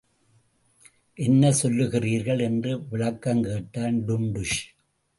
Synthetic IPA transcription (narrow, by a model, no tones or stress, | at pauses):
ʔɛnːɐsɔlːɯɣɪriːɾɣɐɭɛndrɯʋɪɭɐkːɐmkeːʈːaːnɖʊɳɖɯʂ